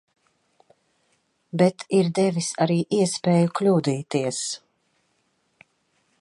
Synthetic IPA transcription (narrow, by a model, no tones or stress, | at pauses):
bɛt̪ʰiɾd̪ɛvisaɾiːʔiɛspɛːjuklʲuːd̪iːt̪iɛs